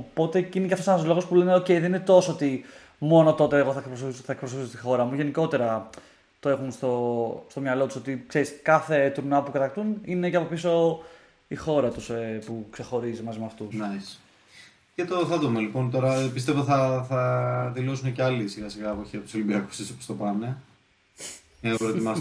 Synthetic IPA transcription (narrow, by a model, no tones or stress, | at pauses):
opo̞t̪ecinecɐft̪osenɐzlo̞ɣospule̞neoceiðeninet̪o̞soot̪i | mo̞no̞t̪o̞t̪e̞ːɣoθɐek̚pɾos̬θɐek̚pɾos̬ofisost̪ixo̞ɾɐmuʝe̞niko̞t̪e̞ɾɐ | t̪oe̞xunst̪o̞st̪o̞mɲɐlo̞t̪u̥so̞t̪ikseɾiskɐθe̞t̪uɾnɐpukɐt̪ɐkt̪unine̞ceɐpopiso̞ | ixo̞ɾɐt̪uspukse̞xo̞ɾizimɐzimeɐft̪unɐs | cet̪oθɐt̪omɐlipo̞nt̪o̞ɾɐpist̪e̞voθɐθɐðilo̞suneceɐlisiɣɐsiɣɐːpoçiɐpo̥solimbiɐkusisopost̪opɐne̞ | epɾot̪imɐs